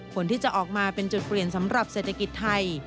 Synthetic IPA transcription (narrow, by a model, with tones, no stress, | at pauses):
pʰo˩˦nt̪ʰiː˥˩t͡ɕa˨˩ʔɔː˨˩k̚maː˧pe˧nt͡ɕu˨˩t̪̚pli˨˩ənsa˩˦mɾa˨˩p̚seː˨˩t̪ʰa˧ki˨˩t̪ʰːa˧j